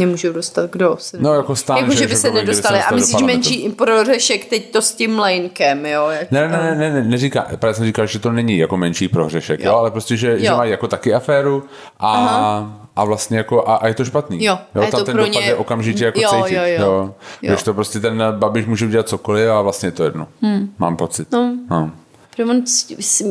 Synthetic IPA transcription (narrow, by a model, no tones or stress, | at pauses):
ɲɛmuːʒuwdost̪at̪ɡdosɛnojakost̪aːjankoʒɛʃbɪsɛnɛdodst̪alɪamɪdoliʃmɛnʃiːpɾorɛʃɛkt̪ɛct̪oscɪmlɛjŋkɛmjojanɛnɛnɛnɛnɛnɛrika̰ːpɾavas̬ɛmriːkalʒɛt̪onɛɲɪjako̞mɛnʃiːpɾoɦr̝ɛʃɛkjoːalɛpɾoscɛʒɛʒɛmajijako̞t̪akɪafɛːɾu | ʔa | ʔavlast̪ɲɛjako̞ʔaʔajɛt̪oʃpat̪niːjojot̪amot̪ɛnɾoɲaɛɛʔokamʒɪcɛjakot͡sɛjjɪojjoɡɡdɪʃt̪opɾoscɛt̪ɛnbabɪʃmuːʒɛuɟɛlat̪̚t͡sokolɪfavlast̪ɲɛjɛt̪ojɛdnoma̰ːmpo̞t͡sɪt̪nono | ɾoonss